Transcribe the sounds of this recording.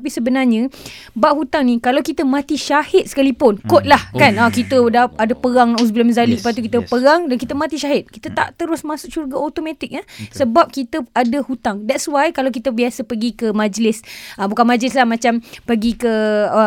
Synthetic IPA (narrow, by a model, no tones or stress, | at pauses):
pisəbənarɲəbaʔhut̪aŋnikalawkit̪əmãt̪iʃahɪt̪̚sə̥kalipʊnkot̪̚lahkanakit̪ədaadapəɾaŋaus̬bilaməzaliəpat̪ukit̪əpəɾaŋdankit̪əmãt̪iʃaɦɪt̪̚kit̪ət̪a̰ʔt̪əɾʊsmãsʊk̚t͡ʃurɡaʔot̪omãt̪ɪk̚asəbap̚kit̪əadəhut̪aŋdɛtswajkalawkit̪əbiasəpəɡikəmãd͡ʒlɪsəbukanmad͡ʒlɪs̬lahmãt͡ʃampəɡikəə